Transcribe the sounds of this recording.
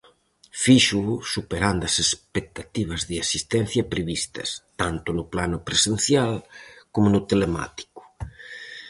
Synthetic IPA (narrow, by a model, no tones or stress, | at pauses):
fiʃusupeɾand̪ɐsespek̚t̪at̪iβ̞ɐzðɪasist̪ɛn̟θjɐpɾeβist̪ɐ̰st̪ant̪ʊnʊplanʊpɾesenθjalkomʊnʊt̪elema̰t̪i̥kʊ̥